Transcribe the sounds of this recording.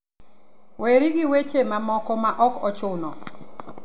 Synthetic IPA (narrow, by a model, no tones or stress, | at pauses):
weɾiɡɪwet͡ʃemamɔkɔmaʔɔkɔt͡ʃʊnɔ